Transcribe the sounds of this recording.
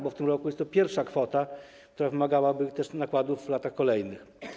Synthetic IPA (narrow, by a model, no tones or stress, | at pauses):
bɔft̪ɘmɾɔkujɛst̪ɔpʲjɛɾfʂakfɔt̪a | kt̪uɾavɘmaɡawabɘt̪ɛʂnakwad̪uvlat̪axkɔlɛjnɘx